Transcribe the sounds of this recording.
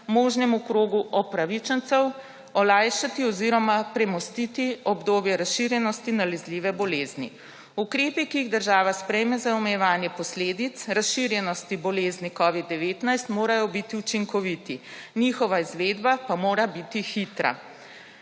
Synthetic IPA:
moːʒnɛmukɾoːɡuʔɔpɾaʋit͡ʃɛnt̪sɛw | ɔlajʃat̪iɔziɾɔmapɾɛmɔst̪it̪iɔbd̪oːbjɛɾasʃiɾjɛnɔst̪inalɛzliːʋɛbɔleːznḭ | ukɾeːpikiːɣd̪əɾʒaːʋaspɾɛjmɛzaɔmɛjɛʋaːnjɛpɔsleːd̪it̪sɾasʃiɾjɛnɔst̪ibɔleːznikɔːʋid̪̚ːɛʋeːt̪najst̪moːɾajɔbit̪iut͡ʃiŋkɔʋit̪inixɔʋaizʋeːd̪bapamoːɾabit̪ixit̪ɾa̰

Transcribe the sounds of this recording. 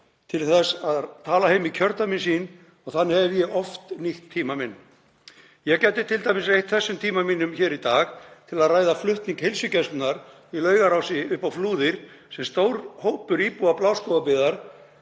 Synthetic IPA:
t̪ʰɪlθɛsaðt̪ʰaːlaɦejmicʰœɾt̪aminsiːn | ɔɣθanːhɛvjɛɔft̪niht̪ʰːiːmamɪnː | jɛɣcɛjt̪ːɪt̪ʰɪlt̪ajmɪsrejht̪θɛsːʏmt̪ʰiːmamiːnʏmçɛːɾit̪aːxt̪ʰɪlaðraːjðaflʏht̪niŋkhelsʏcɛst̪naɾ | ilœːɥɣaɾawsɪʏhpawfluːðɪɾ̥ | sɛmst̪oːwɾhoːwpʏɾiːpuaplaːwskoːwvapɪðaɾ̥

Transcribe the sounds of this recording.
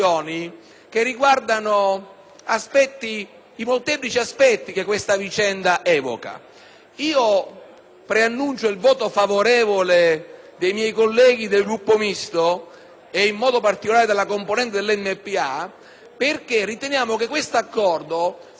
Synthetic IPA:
ɔːni | k̟erːiɡward̪ano | aspɛt̪ːiː | molt̪ɛːplit͡ʃiaspɛt̪ːikekːwest̪avit͡ʃɛnd̪aʔɛːvo̰ka̰ | iːo | pɾeanːunt͡ʃoilvɔːt̪ofavoɾɛːvoled̪ejmjɛjkolːɛːɡ̟id̪elɡɾupːomist̪o | eimːɔːd̪opart̪ikolaːɾed̪elːakomponɛnt̪̬ed̪elːɛmːepːia | perk̟erːit̪enjaːmokekːwest̪oakːɔrd̪o

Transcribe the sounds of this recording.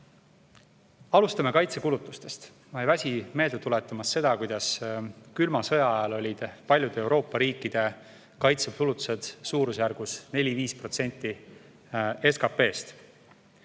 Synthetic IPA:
ɑlust̪ɑme̞kɑjt̪se̞kulut̪ːˑust̪e̞st̪ | mɑjvæsʲime̞ːld̪et̪ule̞t̪ːˑɑmɑsːe̞d̪̥ɑkujd̪̥ɑskylmɑsɤjɑɑjɑlo̞lʲid̪̥pɑlʲjud̪̥eewɾo̞ːpːˑɑɾiːkːˑid̪̥e̞ | kɑjt̪sepulut̪ːˑu̥se̞d̪̥suːɾusjærɡ̥usne̞lʲiviːspro̞t̪se̞nʲt̪ˑːi | e̞skɑpe̞ːst̪

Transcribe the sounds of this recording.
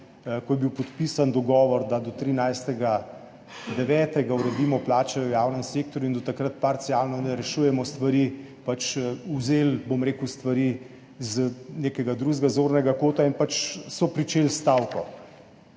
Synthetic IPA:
kɔjɛbiwpɔt̪piːsand̪ɔɡɔːʋɔɾd̪ad̪ɔt̪ɾinajst̪ɛɡa | d̪ɛʋɛːt̪ɛɡauɾɛd̪iːmɔplaːt͡ʃɛəjaːwnəmseːk̚t̪ɔɾjuind̪ɔt̪akɾat̪̚paɾt̪siaːlnɔnɛɾɛʃujɛmɔst̪ʋaɾiː | pat͡ʃuzeːlbomɾeːkuwst̪ʋaɾiː | zneːkɛɡad̪ɾuzɡazoːɾnɛɡakoːt̪ainpat͡ʃsɔpɾit͡ʃeːlst̪aːwkɔ

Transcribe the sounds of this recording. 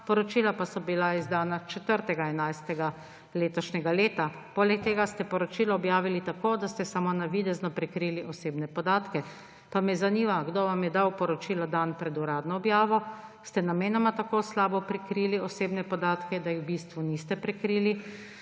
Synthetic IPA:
pɔɾɔt͡ʃiːlapasɔbilaizd̪aːnat͡ʃɛt̪əɾt̪ɛɡaɛnajst̪ɛɡa | leːt̪ɔʃnɛɡaleːt̪a | poːlɛk̚t̪eːɡast̪ɛpɔɾɔt͡ʃiːlɔːbjaːʋilit̪akoːd̪ast̪ɛsamonaʋid̪ɛznɔpɾɛkɾiːliʔɔseːbnɛpɔd̪aːt̪kɛ | p̪amɛzaniːʋaɡd̪oʋamjɛd̪awpɔɾɔt͡ʃiːlɔd̪anpɾɛd̪uɾaːd̪nɔːbjaːʋɔst̪ɛnameːnɔmat̪akoːslaːbɔpɾɛkɾiːliɔseːbnɛpɔd̪aːt̪kɛd̪ajiwbist̪ʋunist̪ɛpɾɛkɾiːli

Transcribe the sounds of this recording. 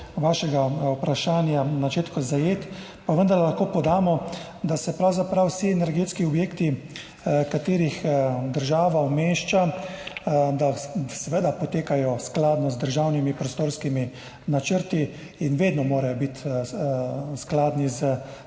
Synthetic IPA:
ʋaːʃɛɡaupɾaʃaːnjanat͡ʃeːt̪kɔzajeːt̪ | paʋənd̪aɾllaxkoːpɔd̪aːmɔ | d̪asɛpɾawzapɾawsiɛnɛɾɡeːt̪skiɔbjeːkt̪i | kat̪eːɾixd̪əɾʒaːʋaɔmeːʃt͡ʃa | d̪asɛʋeːd̪apɔt̪eːkajɔsklaːd̪nɔzd̪əɾʒawnimipɾɔst̪oːɾskimi | nat͡ʃəɾt̪i | inʋeːd̪nɔmoːɾajɔbit̪ | sklaːd̪nizə

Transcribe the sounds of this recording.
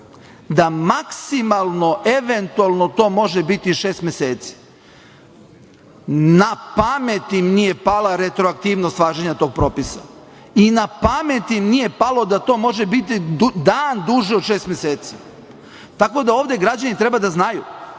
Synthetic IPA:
d̪amaksimalˠno̞ʔeʋent̪ualˠno̞t̪o̞ːmo̞ʒebit̪iʃeːst̪mjeseːt̪si̥ | napame̞t̪imnije̞palaɾe̞t̪ɾoak̚t̪iːʋnost̪ʋaːʒeɲat̪o̞ːɡ̚pɾo̞ːpisa | inapamet̪imnije̞palˠo̞d̪at̪o̞ːmo̞ʒebit̪id̪aːnd̪uʒiod̪ʃe̞ːst̪mjeseːt̪si̥ | t̪ako̞d̪ao̞ːʋd̪e̞ɡɾad͡ʑanit̪ɾe̞bad̪aznaju

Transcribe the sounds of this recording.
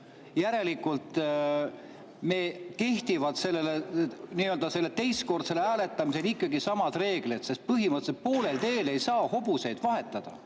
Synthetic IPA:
jæɾe̞likːˑult̪ˑ | me̞ːke̞ht̪ivɑt̪se̞lːe̞leniːøld̪ɑse̞lːet̪e̞jsko̞rd̪̥se̞leæːle̞t̪ːˑɑmiselikˑːɑɡisɑmɑd̪̥re̞ːɡ̥lit̪se̞st̪̚pɯɦimɯt̪ːset̪̚po̞ːle̞lt̪e̞ːle̞jsɑːho̞buse̞jd̪̥vɑɦe̞t̪ːˑɑd̪̥ɑ

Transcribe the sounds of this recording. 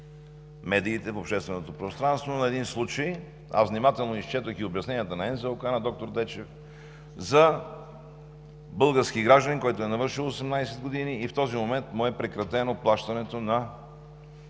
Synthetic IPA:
mɛd̪iːt̪ɛfopʃt̪ɛst̪vɛnot̪opɾost̪ɾanst̪vonɐɛd̪inslˠut͡ʃəj | a̰zvnimat̪ɛlˠnoist͡ʃɛt̪əxiobjɐsɛnijət̪ənɐɛnzɛokanɐd̪ɔk̚t̪oɾd̪ɛt͡ʃɛf | zɐ | bɤlˠɡəɾskiɡɾaʒd̪ənikɔjt̪ʊɛnɐvɤɾʃilˠosɛmnajsɛd̪ɡod̪iniːft̪ɔzimomɛnt̪mʊɛpɾɛkɾɐt̪ɛnoplˠaʃt̪ɐnɛt̪onɐ

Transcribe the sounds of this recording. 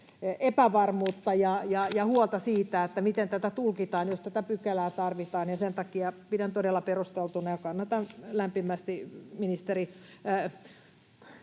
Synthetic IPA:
epæʋɑrmuːt̪ːɑjɑjɑjɑhuolt̪ɑsiːt̪æet̪ːæmit̪ent̪æt̪æt̪ulkit̪ɑːnjost̪æt̪æpykelæːt̪ɑrʋit̪ɑːnjɑsent̪ɑkiɑpidænt̪odelːɑperust̪elt̪unɑjɑkɑnːɑt̪ɑnlæmpimæst̪iminist̪eri

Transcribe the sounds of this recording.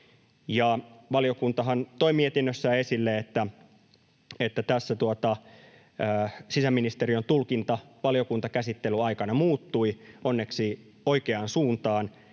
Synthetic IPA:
jɑʋɑlijo̞kunt̪ɑɦɑnt̪oimiet̪inːøsːæːe̞silːeet̪ːæ | et̪ːæt̪æsːæt̪uot̪ɑː | sisæmːinist̪eriont̪ulkint̪ɑʋɑljo̞kunt̪ɑkæsit̪ːelyɑikɑnɑmuːt̪ːuionːeksi | oikeɑnsuːnt̪ɑːn

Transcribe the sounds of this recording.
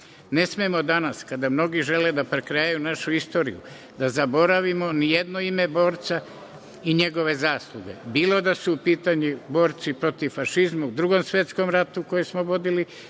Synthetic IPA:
ne̞smemo̞d̪anaskad̪amno̞ɡiʒe̞led̪apɾekɾejajunaʃuist̪o̞ːɾḭjṵ | d̪azabo̞ɾaʋimo̞nijed̪noime̞bo̞ːɾt̪sa | iɲe̞ɡo̞ʋe̞zaːslˠuɡe̞̰biːlo̞d̪asuupiːt̪aɲubo̞ːɾt̪sipɾo̞t̪iʋfaʃizmaud̪ɾuɡo̞msʋje̞t̪sko̞mɾat̪uko̞jesmoʋo̞d̪ili

